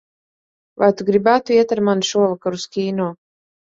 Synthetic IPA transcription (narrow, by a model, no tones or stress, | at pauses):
va̰jt̪uɡɾibæːt̪uiɛt̪aɾmanʃuɔvakaɾuskʲiːnɔː